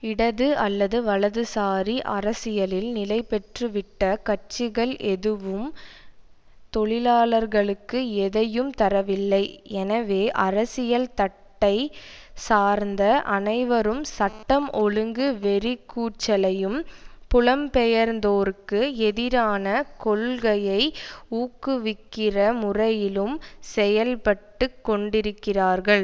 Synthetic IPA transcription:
ɪɽɐðɯɐlːɐðɯʋɐɭɐðɯsaːɾiʔɐɾɐsɪjɐlɪlnɪlɐɪpɛʈrɯʋɪʈːɐkɐt͡ʃːɪɣɐɭʔɛðɯʋɯm | t̪ɔɭɪlaːlɐɾɣɐɭɯkːɯɛðɐjɯmt̪ɐɾɐʋɪlːɐɪɛnɐʋeːʔɐɾɐsɪjɐlt̪ɐʈːɐɪ | saːɾnd̪ɐʔɐnɐɪʋɐɾɯmsɐʈːɐmʔɔɻɯŋɡɯʋɛɾɪkːuːʈt͡ʃːɐlɐjɯmpʊlɐmpɛjɐɾnd̪oːɾɯkːɯɛðɪɾaːnɐkɔɭɣɐjɐɪuːkːɯʋɪkːɪrɐmʊrɐjɪlɯmsɛjɐlpɐʈːɯkːɔɳɖɪɾɯkːɪraːɾɣɐɭ

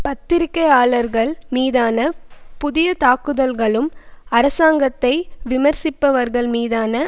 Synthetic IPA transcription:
pɐt̪ːɪɾɪkːɐɪaːɭɐɾɣɐɭmiːðaːnɐpʊðɪjɐt̪aːkɯðɐlɣɐɭɯmɐɾɐsaːŋɡɐt̪ːɐɪʋɪmɐɾsɪpːɐʋɐɾɣɐɭmiːðaːnɐ

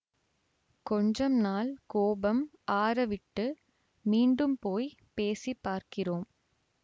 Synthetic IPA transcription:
kɔɲd͡ʒɐmnaːlkoːbɐm | aːɾɐʋɪʈːɯ | miːɳɖɯmpoːj | peːsipːaːɾkɪroːm

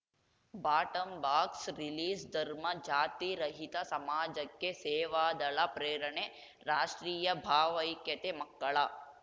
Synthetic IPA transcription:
baːʈəmbaːksɾiliːzd̪ʱəɾmad͡ʒaːt̪iɾəɦit̪asɐmaːd͡ʒəkːeseːʋad̪əɭapɾeːɾəɳe | ɾaːʃʈɾiːjəbʱaːʋəjkːet̪eməkːəɭa

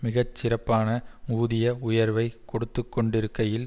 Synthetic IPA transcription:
mɪɣɐt͡ʃːɪɾɐpːaːnɐuːðɪjɐʊjɐɾʋɐɪkɔɽɯt̪ːɯkːɔɳɖɪɾɯkːɐjɪl

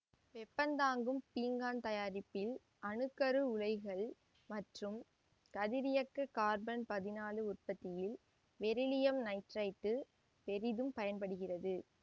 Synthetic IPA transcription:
ʋɛpːɐnd̪aːŋɡɯmpiːŋɡaːnt̪ɐjaːɾɪpːɪl | ɐnɯkːɐɾɯʊɻɐɪɣɐɭ | mɐʈrɯm | kɐðɪɾɪjɐkːɐkaːɾbɐnpɐðɪnaːlɯʊrpɐt̪ːɪjɪl | ʋɛɾɪlɪjɐmnɐɪʈrɐɪt̪ːɯ | pɛɾɪðɯmpɐjɐnpɐɽɯɣɪrɐðɯ

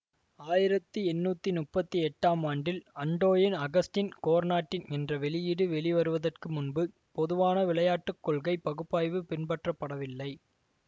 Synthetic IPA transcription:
aːjɪɾɐt̪ːɯɛnːuːt̪ːinʊpːɐt̪ːiɛʈːaːmaːɳɖɪlɐɳɖoːjɪnɐɣɐsʈɪnkoːɾnaːʈːɪnɛndrɐʋɛɭɪjɪɽɯʋɛɭiʋɐɾɯʋɐðɐrkɯmʊnbɯ | pɔðɯʋaːnɐʋɪlɐjaːʈːɯkːɔɭɣɐɪpɐɣɯpːaːjʋɯpɪnbɐʈrɐpːɐɽɐʋɪlːɐɪ

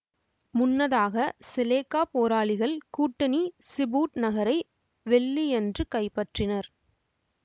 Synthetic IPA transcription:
mʊnːɐðaːɣɐsɪleːkːaːpoːɾaːɭɪɣɐɭkuːʈːɐnisɪbuːʈnɐɣɐɾɐɪ | ʋɛɭːiɛndrɯkɐɪpːɐʈrɪnɐɾ

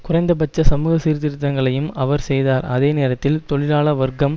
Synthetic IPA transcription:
kʊrɐɪnd̪ɐp̬ɐt͡ʃːɐsɐmuːɣɐsiːɾt̪ɪɾɯt̪ːɐŋɡɐɭɐjɯmʔɐʋɐɾsɛjðaːɾɐðeːneːɾɐt̪ːɪlt̪ɔɭɪɾaːɭɐʋɐɾɡɐm

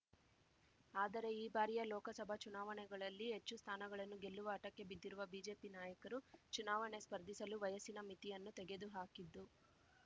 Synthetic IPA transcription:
aːd̪ɐɾe̞iːbaːɾijɐlɔːkɐsɐbʱɐt͡ʃunaːʋɐɳɛɡɐɭɐlːiɦe̞t͡ʃːust̪ʰaːnɐɡɐɭɐnːuɡe̞lːuʋɐːʈɐkːe̞bid̪ːiɾuʋɐbiːd͡ʒe̞ːpinaːjɐkɐɾut͡ʃunaːʋɐɳespɐɾd̪ʱisɐluʋɐjɐsinɐmit̪ijɐnːut̪ɛɡe̞d̪uɦaːkid̪ːu

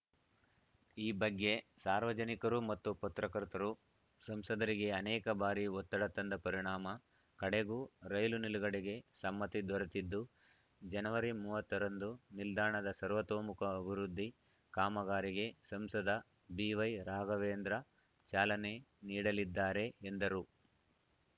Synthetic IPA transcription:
iːbɐɡːe̞saːɾʋɐd͡ʒɐnikɐɾumɐt̪ːupɐt̪ɾɐkɐɾt̪ɐɾu | sɐmsɐd̪ɐɾiɡe̞ɐnɛːkɐbaːɾiɔt̪ːɐɽɐt̪ːɐnd̪ɐpɐɾiɳaːmɐ | kɐɽeɡuːɾɐjluniluɡɐɽeɡe̞sɐmːɐt̪id̪ʋɐɾɐt̪id̪ːu | d͡ʒɐnɐʋɐɾimuːʋɐt̪ːɐɾɐnd̪unild̪aːɳɐd̪ɐsɐɾʋɐt̪oːmukɐːbʱiɾud̪ʱːi | kaːmɐɡaːɾiɡe̞sɐmsɐd̪ɐ | biːʋɐjɾaːɡɐʋeːnd̪ɾɐ | t͡ʃaːlɐne̞niːɽɐlid̪ːaːɾe̞ːnd̪ɐɾu

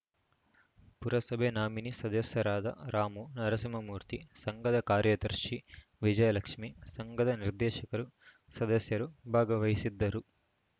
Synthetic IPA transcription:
puɾɐsɐbʱenaːminisɐd̪ɐsjɐɾaːd̪ʱɐ̰ɾaːmunɐɾɐsimɐmuːɾt̪isɐŋɡɐd̪ɐkaːɾjɐt̪ɐɾʃi | ʋid͡ʒɐjɐlɐkʂmisɐŋɡɐd̪ɐniɾd̪ɛːʃɐkɐɾu | sɐd̪ɐsjɐɾubʱaːɡɐʋɐjisid̪ːɐɾu

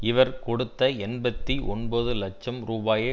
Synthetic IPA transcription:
ɪʋɐɾkɔɽɯt̪ːɐɛnbɐt̪ːiʔɔnbɐðɯlɐt͡ʃːɐmɾuːbaːjeː

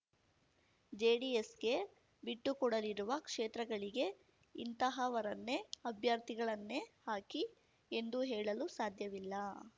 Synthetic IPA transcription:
d͡ʒeːɖiesɡe̞ | biʈːukɔɽɐliɾuʋɐkʂeːt̪ɾɐɡɐɭiɡe̞ | int̪ɐɦɐʋɐɾɐnːe̞ɐbʱjɐɾt̪iɡɐɭɐnːe̞haːki | end̪uɦɛːɭɐlusaːd̪ʱjɐʋilːɐ

